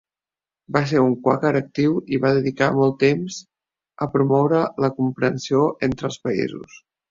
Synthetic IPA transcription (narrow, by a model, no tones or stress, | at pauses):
bas̬eɾuŋkwakəɾək̚t̪iwiβaðəðikamɔlˠt̪emz | əpɾumɔwɾələkumpɾənsioʔent̪ɾəlˠspəḭzṵs